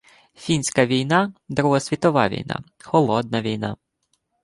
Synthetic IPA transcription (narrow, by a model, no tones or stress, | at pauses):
fʲinʲsʲkɐʋʲijnɑd̪ɾʊɦɔsʲʋʲit̪ɔʋɑʋʲḭjnɑ̰ | xɔlˠɔd̪nɐʋʲijnɑ̰